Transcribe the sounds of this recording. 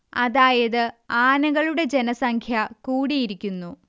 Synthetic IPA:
ɐðaːjɐðɨaːnɐɣɐɭuɽe̞d͡ʑe̞nɐsɐŋkʰjɐkuːɽijiɾikʲːunːu

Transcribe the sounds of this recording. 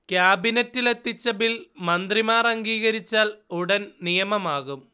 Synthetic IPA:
kjaːbinɐtːile̞t̪ːit͡ɕːɐbilmɐnd̪rimaːrɐŋɡiːɣɐɾit͡ɕːaːluɽɐnnijɐmɐmaːɣum

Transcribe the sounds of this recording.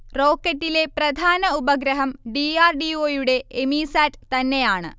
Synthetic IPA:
ro̞ːkːɐʈːile̞prɐd̪ʱaːnɐubɐɡɾɐɦɐmɖiaːrɖioːjuɽe̞ːmiːsaːtt̪ɐnːe̞jaːɳɨ̰

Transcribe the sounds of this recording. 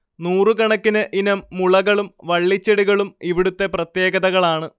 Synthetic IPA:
nuːrɨkɐɳɐkːinɨʔinɐmːuɭɐɣɐɭumʋɐɭːit͡ɕːeɽiɣɐɭumiʋiɽut̪ːe̞prɐt̪je̞ːɡɐðɐɣɐɭaːɳɨ

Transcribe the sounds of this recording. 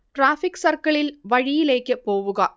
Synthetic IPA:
ʈɾaːfɪksɐɾkɐɭɪlʋɐɻɪjɪleːkːɐpːoːʋɯɣɐ

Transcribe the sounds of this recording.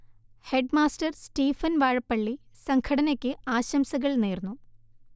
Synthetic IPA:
he̞ɖmaːstɐrsʈiːfɐnʋaːɻɐpːɐɭːi | sɐŋkʰɐɽɐnekʲːɨaːɕɐmsɐɣɐɭneːrnːu

